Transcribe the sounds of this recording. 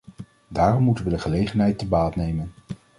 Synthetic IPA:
daːrɔmːutənʋədəχəlejχənɦɛjtəbaːtnejmən

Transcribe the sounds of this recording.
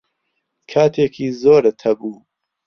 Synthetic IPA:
kʰaːt̪ʰeːkʰiːzoːɾɨt̪ʰɐbuː

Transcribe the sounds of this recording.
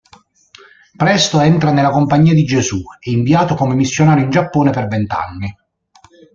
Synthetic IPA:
pɾɛst̪oɛnt̪ɾanelːakompaɲːiːad̪id͡ʒesuɛiɱviaːt̪okomemisːjonaːɾjoind͡ʒapːoːnepervɛnt̪a̰nːi

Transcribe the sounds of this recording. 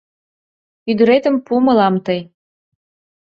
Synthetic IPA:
yd̪ə̆ɾet̪ə̆mpumə̆lɑmt̪əj

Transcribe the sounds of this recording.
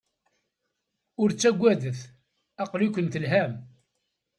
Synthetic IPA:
ʊɾt͡sːæɡʷːæðəθ | æqlikʷənt̪əlɦæm

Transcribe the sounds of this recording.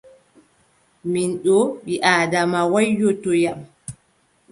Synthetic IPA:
minɗɔɓiʔaːdamawajːɔtɔjam

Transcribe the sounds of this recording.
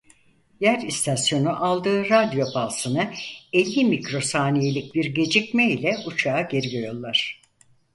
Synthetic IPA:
jæɾist̪ʰasjo̞nuʔalˠd̪ɯːɾad̪jo̞balˠsɯnɯɛlʲːimicɾo̞saːnijelʲic̚biɾɟe̞d͡ʒicmɛilʲɛut͡ʃʰaːɟe̞ɾiɡojolˠːaɾ̥

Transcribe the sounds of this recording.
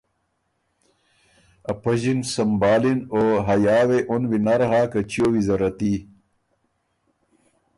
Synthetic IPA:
ɐpɐʑinsɐmbaːlinoɦɐjaːweʔonwinɐɾɦaːkɐt͡ɕiowizɐɾɐt̪i

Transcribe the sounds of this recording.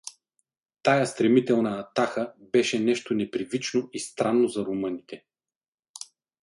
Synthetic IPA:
t̪ajast̪ɾɛmit̪ɛlˠnɐːt̪axəbɛʃɛnɛʃt̪onɛpɾivit͡ʃnoist̪ɾanːozɐɾomɤnit̪ɛ

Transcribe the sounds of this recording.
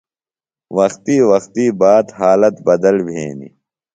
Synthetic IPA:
wɐxt̪iːwɐxt̪iːbaːd̪ɦaːlɐt̪bɐd̪ɐlbʱḛːnḭ

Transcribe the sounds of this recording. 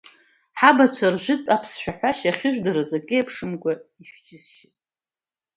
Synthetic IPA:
ħabat͡ɕʷʰarʒʷᶣɪtʼapʰsʃʷᶣaħᶣʷaʃaχʲɪʒʷᶣdaɾazakʲʼejpʰʂɨmɡʷaiʃᶣd͡ʒʼɪsʃɪtʼ

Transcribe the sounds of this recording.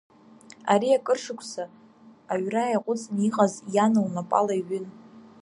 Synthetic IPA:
a̰ɾiakʼɨrʂɨkʷʰsaː | ɥrajaqʷʼʊt͡sʼniqʼazjanɨlnapʼa̰laiɥʏn

